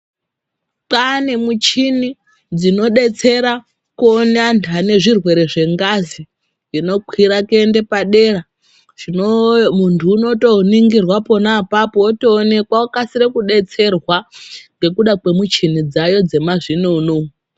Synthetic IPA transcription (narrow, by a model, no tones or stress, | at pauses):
pane̞mut͡ʃini | d͡zino̞ɗe̞t͡se̞ɾa | kuonantʰane̞ʐirwe̞ɾe̞ʐe̞ŋɡazi | ino̞kʰwiɾakende̞paɗe̞ra | ʐ̥inomuntʰuːno̞to̞niŋɡirwapo̞naːpapoːtoːne̞kwaokasiɾekuɗe̞t͡se̞rwaŋɡe̞kuɗakwe̞mut͡ʃinid͡zajo̞d͡ze̞mazinuːnu